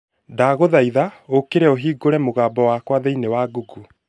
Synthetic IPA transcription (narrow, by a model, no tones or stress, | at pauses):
daːɣoðaiðaokeɾɛoɦiːɡoɾɛmoɣaːbɔwaːkwaðɛinewaːɡuɡu